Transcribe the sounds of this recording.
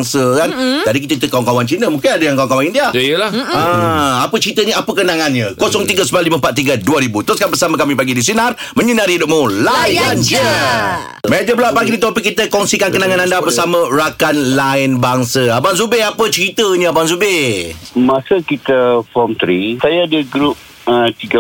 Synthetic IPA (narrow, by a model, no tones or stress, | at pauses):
ŋsəkand͡ʒadik̬it̪əkit̪əkːawaŋkawant͡ʃinəmũŋkɪnadəjaŋkawaŋkawaŋindiajəlaãapət͡ʃəɾit̪əɲəapəkənaŋanɲə̃kosɔŋt̪iɡəsəmbaliməmpat̪̚ːiɡaduaɾibut̪ʊskanbəsamə̃kamĩpaɡidis̬inarmə̃ɲənaɾidʊʔ̚mulajand͡ʒə | maʔd͡ʒəbəlaʔpaɡidit̪ɔpɪkːit̪əkɔŋsikankənaŋãnandabəsamə̃ɾakanlaɪnbaŋsəabansubeapət͡ʃəɾit̪əɲəabanzube | masəkit̪əfɔmt̪ɾisajaːdəɡɾup̚ | ət̪iɡə